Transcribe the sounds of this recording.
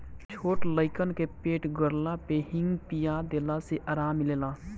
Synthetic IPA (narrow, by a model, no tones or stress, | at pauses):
t͡ʃʰoːʈləɪkənkepeːʈɡəɾlapehɪ̃ŋɡpijad̪eːlaseʔaːɾaːmːɪleːlaː